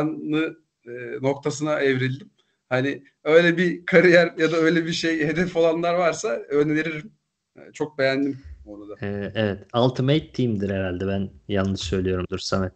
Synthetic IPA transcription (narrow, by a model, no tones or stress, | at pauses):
nlˠɯ | ɯno̞kt̪ʰasɯnaʔevɾilʲd̪im | hanɪ | ø̞jlʲɛbikʰaɾijæɾjad̪aø̞jlʲebiʃejhe̞d̪ɛfo̞lˠanlˠaɾvaɾsaønveɾiɾim̰ | t͡ʃʰo̞k̚be̞jænd̪imoɾad̪aɛevɛt̪alˠt̪ʰɯmejt̪ʰːimd̪iɾeɾalʲd̪ɛbænjalˠnːɯʃsø̞jlʲijo̞ɾumd̪uɾsanɛ